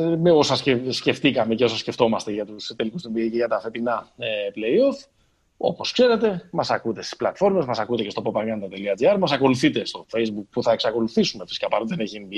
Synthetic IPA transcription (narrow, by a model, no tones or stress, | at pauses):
meosɐscesce̞ft̪ikɐme̞ceo̞sɐsce̞ft̪o̞mɐst̪eʝɐt̪ust̪elikust̪ombiiceʝɐt̪ɐfe̞p̪inɐeple̞io̞f | o̞̰poskse̞ɾe̞t̪e̞mɐsɐkut̪e̞st̪i̥splɐt̪fo̞ɾme̞zmɐsɐkut̪ecest̪opopɐɣɐnt̪ɐt̪e̞liɐd͡ziɐɾmɐsɐko̞luθit̪e̞st̪o̞fe̞jzbuk̚puθɐe̞ksɐko̞luθisume̞fi̥sikɐpɐɾot̪ðeneçiembi